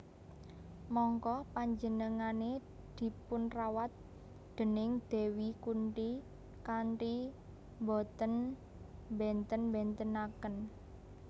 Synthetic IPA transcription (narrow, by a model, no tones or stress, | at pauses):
mɔŋkɔpaɲd͡ʒənəŋane | d̪̥i̤pʊnrawat̪̚ | d̪̥ə̤nɪŋd̪̥e̤wikuɳʈi | kaɳʈi | mbɔt̪ən | mbɛnt̪ənmbɛnt̪ənakən